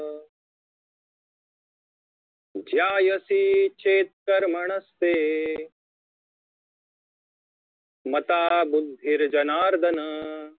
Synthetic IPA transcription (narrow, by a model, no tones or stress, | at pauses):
d͡ʒjaːjɐsit͡ʃʰeːt̪̚kɐɾmɐɳ̃ɐst̪eː | mɐt̪aːbud̪ʱːiɾd͡ʒɐnaːɾd̪ɐnɐ